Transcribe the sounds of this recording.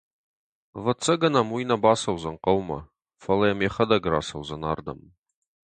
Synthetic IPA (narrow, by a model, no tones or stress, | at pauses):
vɐt͡sʰʼːɐɡɐnɐmwujnɐbaːsɐwzɐnqɐwmɐ̰ | fɐlɐjɛmeːχɐd̪ɐɡɾa̰ːsɐwzɐnaːrd̪ɐ̰m